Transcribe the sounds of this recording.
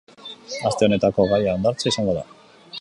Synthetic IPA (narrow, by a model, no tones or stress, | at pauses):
ast̪e̞o̞ne̞t̪ako̞ɣajaːnd̪aɾt͡saisaŋɡo̞ða̰